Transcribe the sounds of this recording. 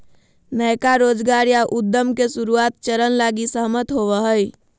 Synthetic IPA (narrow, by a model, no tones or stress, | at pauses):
nəjkaɾod͡ʒɡaɾjaʔud̪ːəmkesuɾuat̪̚t͡ʃəɾənlaɡisəɦmət̪ɦoβəɦəj